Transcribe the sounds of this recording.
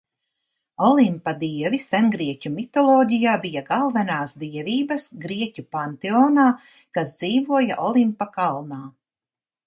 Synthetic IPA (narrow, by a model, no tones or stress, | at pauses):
ɔlˠimpad̪iɛvisɛnɡɾiɛcʲumit̪ɔlˠɔːɟijaːbijaɡalˠvɛnaːsd̪iɛviːbɐsɡɾiɛcupant̪eɔːnaː | kasd̪ziːvuɔja̰ʔɔlˠimpakalˠnaː